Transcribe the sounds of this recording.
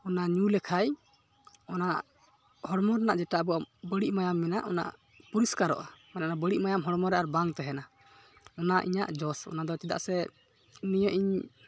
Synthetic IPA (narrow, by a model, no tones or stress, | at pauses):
ɔnaɲulɛkʰaj | ɔnaʔ | hɔɽmɔɾɛnaʔd͡ʒɛʈabɔabəɽiʔmajamːɛnaʔɔna̰ʔ | puɾiskaɾɔ̰ʔamɛnaʔnabəɽiʔ̚majamɦɔɽɔmɔɾɛʔaɾbaŋt̪ɛɦɛna | ɔnaʔḭɲa̰ʔd͡ʒɔsɔ̰nad̪ɔt͡ʃid̪a̰ʔsɛ | nijɔʔiɲ